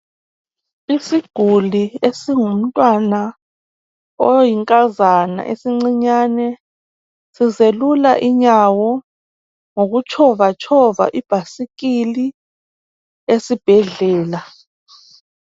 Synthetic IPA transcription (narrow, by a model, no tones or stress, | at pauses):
isiɡ̥ʱuliesiŋum̩tʼwana | ojiŋkʼazana̰ʔḛsiŋ͡ǀiɲaːnɛ | sizelulaʔiɲawɔ | ŋoɣut͡ʃʰɔvat͡ʃʼʰɔva̰ʔib̥ʱasik̬ili | esib̥ʱɛɮɛːla